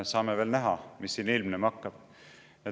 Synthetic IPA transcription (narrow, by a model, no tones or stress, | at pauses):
sɑːmeve̞ːlnæɦɑmisːiːnilmnemɑkːɑb̥ | e